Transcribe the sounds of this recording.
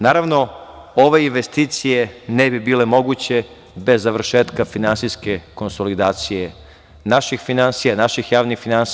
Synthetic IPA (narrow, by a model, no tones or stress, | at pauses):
naːɾaʋno̞ | oʋeinʋest̪iːt̪sije̞nebibiːle̞mo̞ɡut͡ɕe̞ | be̞zːaʋr̩ʃeːt̪kafinansiske̞ko̞nsolid̪aːt̪sije | naʃixfinansijanaʃixjaːʋnixfinans